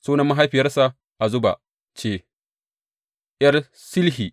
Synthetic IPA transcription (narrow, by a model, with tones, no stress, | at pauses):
suː˦nɐ˦mːa˦ɦa˦jɸɪ˨jɐ˦rsa˨ | ʔa˨zʊ˦ba˨ | t͡ʃeː˨ | jɐ˦r | sɪ˦lɦiː˨